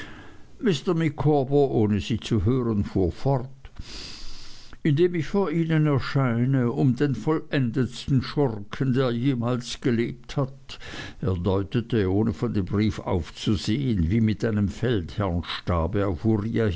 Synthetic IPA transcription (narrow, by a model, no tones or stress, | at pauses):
mɪstɐmikʰobɐʔoːnəziːt͡suɦøːʁənfuːɐfɔʁt | ɪndeːmɪçfoːɐiːnənɛɐʃaɪnəʊmdeːnfɔlʔɛndəstn̩ʃɔrkʰəndeːɐjeːmaːlsɡ̥əleːp̚thateːɐdɔʏtətəoːnəfɔndembʁiːfa̰ʊft͡suzeːənviːmɪtʔaɪnəmfɛlthɛɐnʃtaːbəaʊfuʁiːa